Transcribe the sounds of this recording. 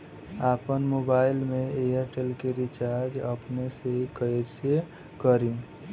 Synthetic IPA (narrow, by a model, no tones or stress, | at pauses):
aːpənmoːbaːɪlmẽeəɾʈelkeɾɪt͡ʃaːɾd͡ʒəpnesekəɾse | kəɾĩ